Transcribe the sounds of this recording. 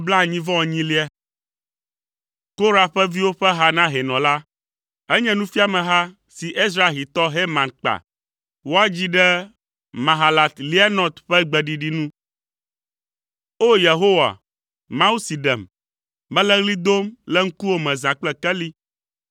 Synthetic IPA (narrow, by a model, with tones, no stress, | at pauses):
bla˦˨ɲĩ˦vɔ̃˦˨ɲĩ˦li˦ɛ˦ | ko˦ɾa˨ɸɛ˦vi˦wo˦ɸɛ˦ɦa˦nã˦ɦɛ˨nɔ̃˨la˦ | ɛ˦ɲɛ̃˦nũ˦fi˦a˨mɛ̃˨ɦa˦ | si˨ʔe˦s̬ɾa˨ɦi˨t̪ɔ˦ɦe˦mã˨nk͡pa̰˨ | wo˦a˦d͡ʑi˦ɖɛ˦ | mã˨ɦa˨la˨t̪li˦a˦nɔ̃˨t̪ɸɛ˦ɡ͡bɛ˨ɖi˨ɖi˦nũ˦ | o˦je˨ɦo˦wa̰˨ | mã˦u˦si˨ɖɛ˨mː | ɛ̃˦lɛ˦ɣli˦d̪o˦mlɛ˦ŋ̩˦ku˦wo˦mɛ̃˨zã˨k͡plɛ˦kɛ˦li˦